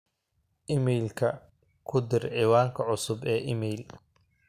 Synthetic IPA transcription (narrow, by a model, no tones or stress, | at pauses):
ʔɪmɛjlkʰɐ | kʰʊd̪ɪrʕiːwaːŋkʰɐʕʊsʊbɛːʔɪmɛjl